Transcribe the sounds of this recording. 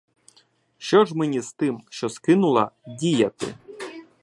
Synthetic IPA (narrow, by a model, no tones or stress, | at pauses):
ʃt͡ʃɔʒmɛnʲizt̪ɪmʃt͡ʃɔskɪnʊlˠɐdʲijɐt̪ɪ̰